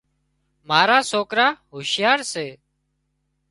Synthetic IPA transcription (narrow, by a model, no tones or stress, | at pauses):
maːɾaːsoːkɾaːɦoːʃɪjaːɾseː